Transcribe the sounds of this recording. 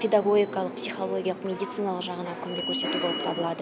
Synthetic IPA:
pʰʲed̪aɡo̞ɡʲijkɑlˠəqpsijχo̞lˠo̞ɡʲijɑlˠəqmʲe̞d̪ijt̪sɨjnɑlˠəqʒɑʁənɑkʲʰɵmɡʲekʲʰɵɾse̞t̪ubo̞lˠəp̚t̪ʰɑbəlˠɑd̪ə

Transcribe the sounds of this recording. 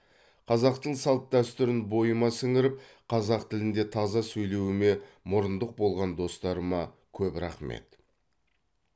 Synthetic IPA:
qʰɑzɑqt̪əɴsɑlˠp̪̚d̪æst̪ʏɾɪnbo̞jəmɑsɪŋɪɾɪp̚ | qʰɑzɑqt̪ʰɪlɪnd̪e̞t̪ʰɑzɑsɵjle̞wɪme̞mʊɾənd̪əq̚bo̞lˠʁɑnd̪o̞st̪ɑɾəmɑ | kʲʰɵpɾɑ̰χme̞̰t̪

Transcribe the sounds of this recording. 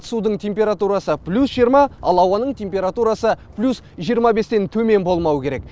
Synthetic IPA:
t̪ə̥sud̪əɴt̪ʲʰe̞mpʲe̞ɾat̪uɾɑsəplʲusʒijəɾmɑɑlˠɑwɑnəɴt̪ʰʲe̞mpʲe̞ɾat̪uɾɑsəplʲusʒijəɾmɑbe̞st̪e̞nt̪ʰɵme̞nbo̞lˠmɑwəkʲʰe̞ɾe̞k

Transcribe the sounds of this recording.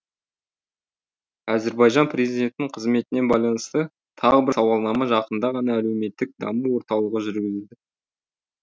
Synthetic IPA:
æze̞ɾbɑjʒɑnpʰre̞zid̪ʲe̞nt̪ɪnɪɴqʰəzme̞t̪ɪne̞bɑjlˠɑnəst̪ə | t̪ʰɑʁəbɪɾsɑwɑlˠnɑmɑʒɑqənd̪ɑʁɑnɑːle̞wme̞t̪ːɪk̚d̪ɑ̰məwo̞ɾt̪ɑwlˠəʁəʒʏɾɡʲɪzed̪ɪ

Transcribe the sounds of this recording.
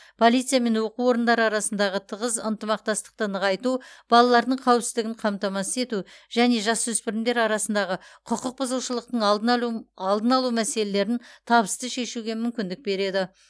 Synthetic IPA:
pʰo̞lˠijt̪sɨjame̞nwo̞quwo̞ɾənd̪ɑɾəɑɾɑsənd̪ɑʁət̪ʰəʁəzənt̪əmɑq̚t̪ɑst̪ə̥q̚t̪ənəʁɑjt̪ub̥ɑlˠɑlˠɑɾd̪əɴqʰɑwɪpsɪzd̪ɪɡʲɪɴqʰɑmt̪ɑmɑsə̥e̞t̪uʒ̥æne̞ʒɑswɵspɪɾɪmd̪e̞ɾɑɾɑsənd̪ɑʁəqʰʊqəq̚bəzəlˠʃəlˠəqt̪əɴˠɑlˠd̪ənɑlˠumæse̞le̞le̞ɾɪnt̪ʰɑbəst̪əʃe̞ʃuɡʲe̞mʏmkʲɪnd̪ɪk̚be̞ɾe̞d̪ɪ

